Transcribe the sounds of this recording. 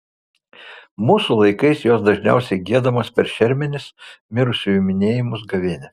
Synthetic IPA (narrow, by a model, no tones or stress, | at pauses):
muːsʊlˠɐɪkɐɪsjoːsd̪ɐʒʲnʲɛ̰ˑʊsʲɛɪɡʲiɛd̪ɐmɐspʲɛɾʃʲɛɾʲmʲɛnʲɪsmʲɪɾʊsʲʊjumʲɪnʲeːjɪmʊsɡɐʋʲɪnʲɛ